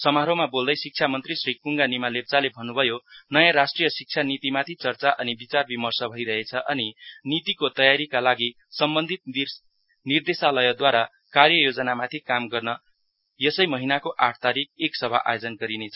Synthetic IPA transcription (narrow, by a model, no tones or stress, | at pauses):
sʌmaɾomabold̪ʌjsik̚t͡sʰjamʌnt̪risrik̚puŋɡanimalep̚t͡salebʱʌnːubʱʌjonʌjãɾasʈrijʌsik̚t͡sʰanit̪imat̪ʰit͡sʌrt͡saʔʌnibit͡sarbimʌrsʌbʱʌiɾʌɦet͡sʰʌʔʌninit̪ikot̪ʌjaɾikalaɡi | sʌmbʌnd̪ʱit̪̚i | nird̪esalʌjʌd̪waɾa | karjʌjod͡zʌnamat̪ʰikamɡʌrnʌ | jʌsʌjmʌɦinakoʔaʈʰt̪aɾik̚eksʌbʱaʔa̰jod͡zʌnɡʌɾinet͡sʰʌ